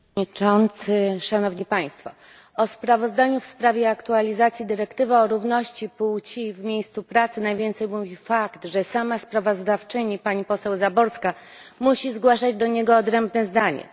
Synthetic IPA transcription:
it͡ʂɔnt̪sɘʂanɔvɲipaj̃st̪fɔ | ɔspɾavɔzd̪aɲufspɾavʲjɛakt̪ualʲizat̪sʲjid̪ɘɾɛkt̪ɘvɘɔɾuvnɔɕt͡ɕipuwt͡ɕivmʲjejst̪supɾat̪sɘnajvʲjɛnt̪sɛjmuvʲifakt̪ʐɛsamaspɾavɔzd̪aft͡ʂɘɲipaɲipɔsɛwzabɔɾska | muɕizɡwaʂad͡ʑd̪ɔɲeɡɔːd̪ɾɛmbnɛzd̪aɲɛ̰

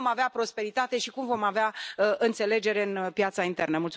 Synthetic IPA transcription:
maveapɾo̞spe̞ɾit̪at̪e̞ʃikumvo̞maveaəʔɨnt̪se̞le̞d͡ʒe̞ɾe̞ɨnpjat̪saint̪e̞rnəmult̪

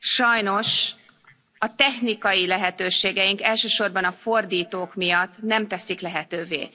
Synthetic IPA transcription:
ʃɒjno̞ʃ | ɒt̪ɛxnikɒjilɛɦɛt̪øːʃeːɡɛjiŋkɛlʃøːʃo̞rbɒnɒfo̞rd̪iːt̪oːkmijɒt̪ːnɛmt̪ɛsiklɛɦɛt̪øːvḛː

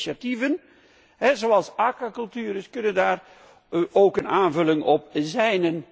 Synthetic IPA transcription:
ativən | ɦɛzoɑlˠsaːkwakɵlˠtyːɾəskɵnəndaːr | ʔowkənaːnvɵlɪŋɔp̚zɛjnən

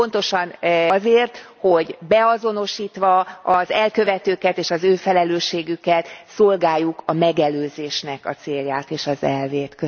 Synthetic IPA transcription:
po̞nt̪o̞ʃɒnzeːrt̪ho̞ɟbɛɒzo̞no̞ʃiːt̪ʋɒɒzɛlkø̞vɛt̪øːkɛt̪eːʃɒzøːfɛlɛløːʃːeːɡykɛt̪solɡaːjːukʰɒmɛɡɛløːzeːʃnɛkɒ̰t̪seːljaːt̪eːʃɒzɛlveːt̪kø

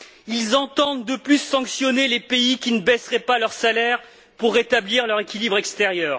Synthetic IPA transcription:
ilzɑ̃t̪ɑ̃d̪ːəplysːɑ̃ksjɔnelepeikʲinəbɛsʁɛpalœʁsalɛʁ | puʁːet̪abliʁlœʁekʲilibʁɛkst̪eʁjœːʁ

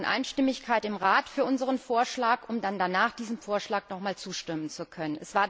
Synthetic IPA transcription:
nʔa̰ɪnʃtɪmɪçkʰaɪtɪmʁaːtfyːɐʔʊnzəʁənfoːɐʃlaːkʔʊmdandanaːχd̥iːzn̩foːɐʃlaːknɔχmaːlt͡suːʃtɪmənt͡sukʰœnənɛsv̥aːɐ

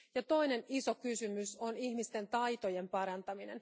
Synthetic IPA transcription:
jɑt̪o̞jne̞niso̞kysymyso̞niçmist̪e̞nt̪ɑjt̪o̞je̞mpɑɾɑnt̪ɑmine̞̰n

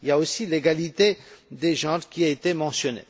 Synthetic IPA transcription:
iljaosileɡalit̪ed̪eʒɑ̃ʁkʲiaet̪emɑ̃sjɔnḛ

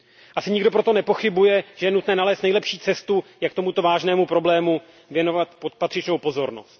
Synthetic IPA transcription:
ʔasɪɲɪɡdo̞pɾo̞t̪o̞nɛpo̞xɪbujɛʒɛjɛnut̪nɛːnalɛːst̪nɛjlɛpʃiːt͡sɛst̪ujakt̪omut̪o̞vaːʒnɛːmupɾo̞blɛːmu | vjɛno̞vat̪popat̪r̥ɪt͡ʃno̞wpo̞zo̞ɾno̰st̪

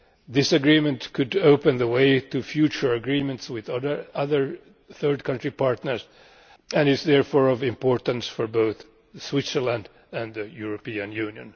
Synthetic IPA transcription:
ðɪsɨɡɹĩmɨ̃ntkʰɨdoʊpɨ̃nðəweɪtɨfjʉt͡ʃə˞əɡɹĩmə̃ntswɪððə˞ʌðə˞ | θɜɹd̚kʰʌ̃ntɹipʰɑɹtnə˞z | æ̃nɪzðɛɹfɔːɹʌvɪ̃mpɔɹtə̃nsfɔɹboʊθ | swɪtsə˞lãnd | æ̃nðɨjuɹɔpiɨ̃njʉːnjɨ̰̃n

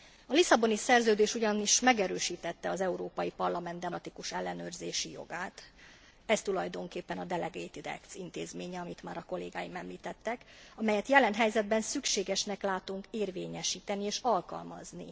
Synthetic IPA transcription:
ɒlisɒbo̞nisɛrzøːd̪eːʃuɟɒniʃmɛɡɛɾøːʃiːt̪ɛt̪ːɛɒzɛuɾoːpɒjipɒrlɒmɛnd̪ɛt̪ikuʃɛlːɛnøːrzeːʃijo̞̰ɡaːt̪ | ɛst̪ulɒjd̪o̞ŋkeːpːɛnɒd̪ɛlɛɡeːt̪id̪ɛ̰kt̪sint̪eːzmeːɲɛɒmit̪maːɾɒko̞leːɡaːjimɛmliːt̪ɛt̪ːɛkɒmɛjɛt̪jɛlɛnɦɛjzɛd̪̚bɛnsykʃeːɡɛʃnɛklaːt̪uŋkeːrvḛːɲɛʃiːt̪ɛnieːʃɒlkɒ̰lmɒ̰znḭ

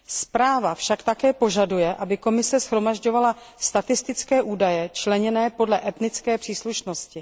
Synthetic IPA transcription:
spɾaːvafʃakt̪akɛːpo̞ʒadujɛʔabɪko̞mɪsɛsxɾo̞maʒɟo̞vala | st̪at̪ɪst̪ɪt͡skɛːʔuːdajɛt͡ʃlɛɲɛnɛːpo̞dlɛʔɛt̪nɪt͡skɛːpr̥iːsluʃnoscɪ

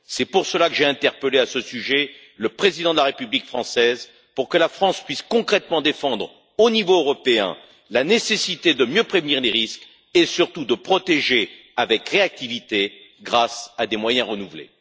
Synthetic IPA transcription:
sɛpuʁsəlakəʒeɛ̃t̪ɛʁpəleasəsyʒɛ | ləpχezid̪ɑ̃d̪əlaʁepyblikfχɑ̃sɛz | puʁkəlafχɑ̃spɥiskɔ̃kχɛt̪mɑ̃d̪efɑ̃d̪ʁ | onivoːʁɔpeɛ̰̃ | lanesesit̪ed̪əmjøpχevniʁleʁisk | esyʁt̪ud̪əpχɔt̪eʒe | avɛkʁeak̚t̪ivit̪eɡʁasad̪emwajɛ̃ʁənuvlḛ

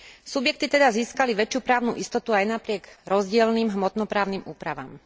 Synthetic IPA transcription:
subjɛk̚t̪it̪ɛd̪aziːskaliʋɛt͡ʃɪupɾaːʊnṵʔist̪ɔt̪uajnapɾɪɛɡɾɔzɟɪɛlniːmɦmɔt̪nɔpɾaːʊnimuːpɾaʋa̰ːm

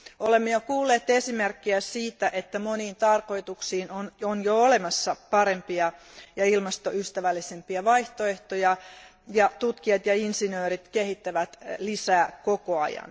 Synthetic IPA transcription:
olemːejokuːlːeːt̪esimerkːiæsiːt̪æʔet̪ːæmoniːnt̪ɑrko̞it̪uksiːnononjoolemɑsːɑpɑɾe̞mpiɑ | jɑilmɑst̪oyst̪æʋælːisempiɑʋɑiht̪oeht̪ojɑ | jɑt̪ut̪kiɑt̪jɑinsinøːɾit̪kehit̪ːæʋæt̪lisæːkokoɑ̰jɑ̰n

